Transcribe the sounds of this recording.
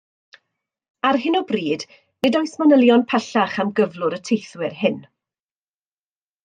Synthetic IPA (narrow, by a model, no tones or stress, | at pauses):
arɦɪnɔbriːd | nɪdɔjsmanəlˠjɔnpʰɛɬaχamɡəvlˠʊɾətʰejθwɪrɦɪn